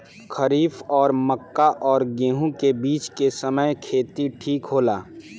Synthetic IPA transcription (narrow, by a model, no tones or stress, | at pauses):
xʰəɾiːfɔːɾməkːaʔɔːɾɡẽːɦũkebiːt͡ʃkesɐməjkʰeːt̪iʈʰiːkɦoːlaː